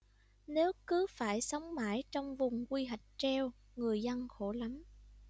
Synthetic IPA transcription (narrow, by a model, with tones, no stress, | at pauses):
ne˨˦wkɨ˨˦faː˧˩jsa˨˦wŋ͡mmaː˧˩jt͡ɕɔ˧wŋ͡mvʊ˨˩ŋ͡mkwi˧ɦa˨˩jk̟̚t͡ɕɛ˧w | ŋɨ˨˩əjzə˧nxo˧˩la˨˦m